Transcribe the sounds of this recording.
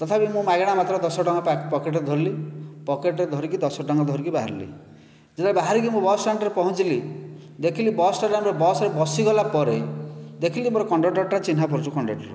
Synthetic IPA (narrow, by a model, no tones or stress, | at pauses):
t̪ɔt̪ʰapimũmaɡeɽ̃amat̪ɾɔd̪ɔsɔɖɔŋɡɔpapɔkeʈ̬ɔed̪ʱɔɾlipɔkeʈɔɾed̪ʱɔɾikid̪ɔsɔɖɔŋɡɔd̪ʱɔɾikibaɦa̰ɾilḭ | d͡ʒet̪aebaɦaɾik̬imũbɔsʈaɳʈɔɾepɔɦũt͡ʃili | d̪ekʰilibɔsʈaɖanɾebɔsɔɾebɔsiɡɔlapɔɾed̪ekʰilimoɾɔkɔɳɖɔʈɔɾʈːat͡ʃinɦapɔɾt͡ʃukɔɳɖɔʈɔɾu